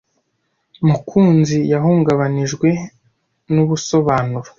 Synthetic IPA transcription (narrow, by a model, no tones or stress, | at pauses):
mukʰuːnzijaɦuːŋɡaβaniʒɡwe̞ | nuβuso̞βaːnuɾo